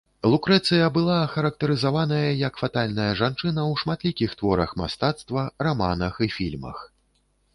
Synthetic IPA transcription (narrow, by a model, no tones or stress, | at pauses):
lˠukɾɛt̪sɨjɐbɨlˠaxɐɾɐk̚t̪ɐɾɨzavanɐjɐjɐkfat̪alʲnɐjɐʐant͡ʂɨnɐwʂmat̪lʲikʲixt̪vɔɾɐxma̰st̪at̪st̪vɐrama̰nɐxifʲilʲmɐ̰x